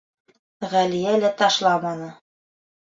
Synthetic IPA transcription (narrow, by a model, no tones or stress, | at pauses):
ʁælijælæt̪ɑʃlˠɑmɑnɤ